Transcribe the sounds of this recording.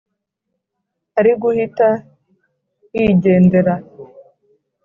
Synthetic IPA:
aɾiɡuhita | iɟe̞ːnde̞ɾa

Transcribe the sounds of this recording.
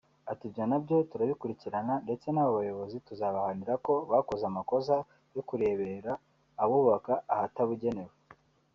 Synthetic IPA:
atubɟanabɟo̞tuɾaβikuɾiciɾanande̞t͡se̞naβaβajo̞βo̞zituzaβahaniɾako̞βako̞zamako̞za | jokuɾe̞ːβe̞ɾaː | βuːβakaahataβuɟe̞ne̞we

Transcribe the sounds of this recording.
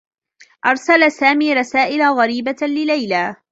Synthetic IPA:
ʔɑɾˤsalasaːmiːɾˤɑsaːʔɪlaɣɑɾiːbalɪlajlaː

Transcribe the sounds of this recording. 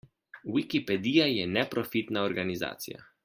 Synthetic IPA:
wikipɛd̪ijajɛnɛpɾɔfit̪naɔɾɡaniza̰ːt̪sija̰

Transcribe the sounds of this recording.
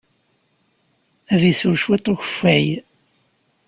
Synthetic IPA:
ævisʊɾʃwet̪ˤːoçə̥fæj

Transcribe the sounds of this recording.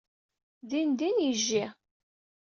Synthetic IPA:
ðind̪injəʒːi

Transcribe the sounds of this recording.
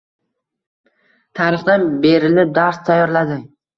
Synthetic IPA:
t̪ʰaɾɨχd̪anbe̞ɾɪlɪp̚d̪aɾst̪ʰajːɒɾlad̪ɪ

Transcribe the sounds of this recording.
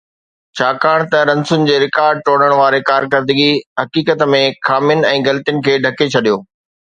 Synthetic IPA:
t͡ɕʰaːkaːɽ̃t̪ɐɾɐ̃nsʊnɪ̆d͡ʑeːɾɪkaːɾɖ̚ʈoːɽəɽ̃ʋaːɾekaːɾkəɾd̪əɡiɦɐkiːkət̪mẽxʰaːmjʊnɪ̆ɛ̃ːɡɐlt̪ijʊnɪ̆kʰeːɖʱɐket͡ɕʰɐɗijoː

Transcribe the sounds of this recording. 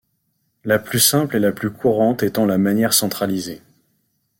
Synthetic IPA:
laplysɛ̃plelaplykʰuʁɑ̃t̪ɛt̪ɑ̃lamanjɛʁsɑ̃t̪χalize

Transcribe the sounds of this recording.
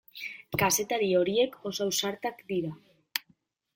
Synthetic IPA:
kase̞t̪aɾio̞ɾie̞kʰo̞sawsaɾt̪akd̪iɾa

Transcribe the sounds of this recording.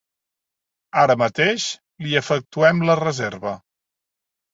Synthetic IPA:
aɾəmət̪eʃ | liəfək̚t̪uɛmlərəzeɾβə

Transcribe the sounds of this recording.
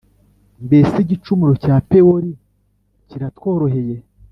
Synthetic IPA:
mbe̞siɟit͡ʃumuɾo̞caːpe̞woɾi | ciɾatwo̞ːɾo̞ɦe̞je̞

